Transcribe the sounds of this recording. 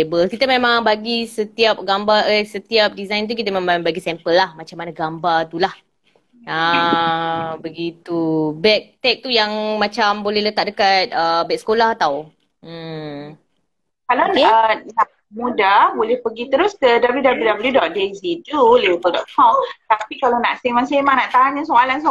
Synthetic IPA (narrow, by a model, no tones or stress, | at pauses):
ebəlkit̪əmẽmãŋbaɡisət̪iap̚ɡambaʔəsət̪iap̚dizajnt̪̬uk̬it̪əmẽŋmaŋbaɡisɛmpəlːahmat͡ʃamanaɡambat̪ulah | ə | bəɡit̪ubɛk̚t̪ɛk̚t̪ujaŋmat͡ʃambolɛhlət̪aʔ̚dəkat̪̚əbɛʔ̚sə̥kolaɦat̪aw̩ | kalaəna | mũdabolɛhpəɡit̪əɾʊskədabəljudabəljudabəljudɔt̪̚dezit̪ulibəldɔt̪̚kʰɔmt̪apikalanaʔsemansemaŋnaʔt̪aɲasoalans